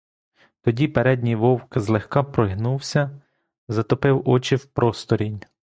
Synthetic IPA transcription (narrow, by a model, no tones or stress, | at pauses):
t̪ɔdʲipeɾɛd̪ʲnʲijʋɔwkzlˠexkɑpɾɔɦnuwsʲɐ | zɐt̪ɔpɪwɔt͡ʃɪwpɾʔɔst̪ɔɾʲinʲ